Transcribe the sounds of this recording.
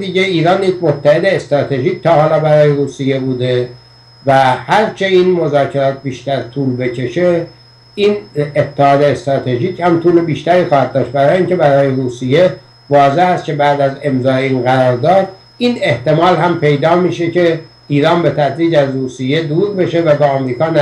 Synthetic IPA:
d̪iːɟeiːɾɒːnjekmot̪ʰːæhe̞d̪eːst̪ɾɒːt̪ʰe̞ʒiːc̚t̪ʰɒːhɒːlɒːbæɾɒːjeɾuːsijːe̞buːd̪e | væhæɾt͡ʃʰe̞iːnmo̞zɒːcʰe̞ɾɒːt̪̚biːʃt̪æɾt̪ʰuːlbe̞cʰe̞ʃe | iːnet̪ʰːehɒːd̪eːst̪ɾɒːt̪ʰe̞ʒiːchæmt̪ʰuːlebiːʃt̪æɾiːxɒːhæd̪̚dːɒːʃt̪̚bæɾɒːjeiːŋce̞bæɾɒːjeɾuːsijːe | vɒːze̞hæst̪̚cʰe̞bæːd̪æze̞mzɒːeiːnɣæɾɒːɾd̪ɒːd̪ | iːne̞ht̪e̞mɒːlɦæmpʰe̞jd̪ɒːmiːʃece | iːɾɒːnbe̞t̪ʰæd̪ɾiːd͡ʒæzruːsijːe̞d̪uːɾbe̞ʃe̞væbɒːæmɾiːkɒːnæ

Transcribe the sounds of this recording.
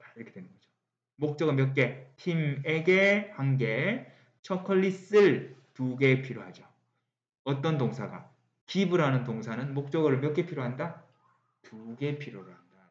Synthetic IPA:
iɾʌkʰedwenɯnɡʌd͡ʑo̥ | mok̚t͡ɕ͈ʌɡɯɭmjʌk̬͈̚e̞tʰimeɡehaŋɡe̞ | t͡ɕʰʌkʰʌɭːis͈ɯɭtuɡe̞pʰiɾjohad͡ʑo | ʌt͈ʌnt̬oŋsʰaɡa̰ | kibɯɾɦanɯntoŋsʰanɯnmok̚t͡ɕ͈ʌɡɯɾɯɭmjʌk͈e̞pʰiɾoɦanda | tuɡe̞pʰiɾoɾɯɭhanda

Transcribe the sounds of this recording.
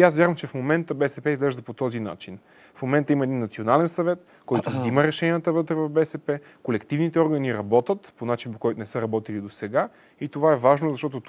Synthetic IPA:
asvʲjaɾvəmt͡ʃɛfmomɛnt̪əbɛsɛpɛizɡlɛʒd̪ɐpot̪ɔzina̰t͡ʃin | fmomɛnt̪əimɐɛd̪inːɐt̪sionalɛnsɐvɛt̪ | kɔjt̪ovziməɾɛʃɛniət̪əvɤt̪ɾɛvɐvbɛsɛpɛ | kolɛkt̪ivnit̪ɛɔɾɡəniɾɐbɔt̪ət̪ponat͡ʃinpokɔjt̪onɛsəɾɐbɔt̪ilid̪osɛɡa | it̪ovaɛvaʒnozɐʃt̪ɔt̪o

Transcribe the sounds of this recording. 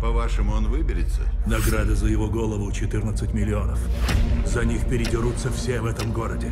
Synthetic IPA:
pɐvaʂɨmʊonvɨbʲɪɾʲɪt̪sə̰nɐɡɾad̪əzəjɪvo̞ɡo̞lˠəvʊt͡ɕɪt̪ɨrnət̪sɨtʲmʲɪlʲːɪo̞nəfzɐnʲixpʲɪɾʲɪdʲɪɾut̪səfsʲevɛt̪əmɡo̞ɾədʲɪ

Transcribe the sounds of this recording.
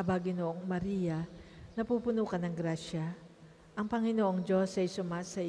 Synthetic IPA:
ɐbɐɡɪnoʔoŋmɐɾijɐnɐpuːpʊnuːkɐnɐŋɡɾaːʃɐ | ʔɐŋpɐŋɪnoʔoŋd͡ʒo̞sɐjsʊmasɐ

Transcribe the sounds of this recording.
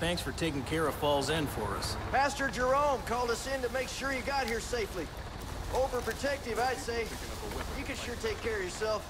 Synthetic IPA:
θæ̃ŋksfə˞tʰeɪkɪ̃ŋkʰɛɹʌfɔlˠzɛ̃nfə̰˞ʌ̰spʰæstə˞d͡ʒə˞õʊ̃mkʰɔlˠdʌsɪ̃ntɨmeɪkʃʊɹjɨɡɑt̚hiɹseɪfli | ʔoʊvə˞pʰɹ̥ɨtʰɛk̚tɨvaɪd̥seɪ | jɨkɨ̃nʃʊɹtʰeɪkʰːɛɹʌvjə˞sɛlˠf

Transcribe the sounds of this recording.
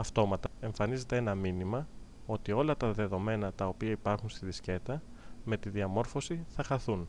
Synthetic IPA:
ɐft̪o̞mɐt̪ɐe̞ɱfɐnize̞t̪eenɐminimɐ | o̞t̪io̞lɐt̪ɐðe̞ðo̞me̞nɐt̪ɐopiɐipɐɾxunst̪iðisce̞t̪ɐ | me̞t̪iðiɐmo̞ɾfo̞siθɐxɐθun

